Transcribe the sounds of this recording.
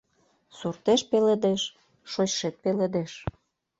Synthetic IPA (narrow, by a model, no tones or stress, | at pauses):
surt̪eʃpeled̪eʃ | ʃoɕʃet̪̚peled̪eʃ